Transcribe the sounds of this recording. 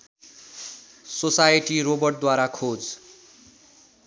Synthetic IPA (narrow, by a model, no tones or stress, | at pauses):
sosajeʈiɾobʌrʈ̚d̪waɾakʰod͡z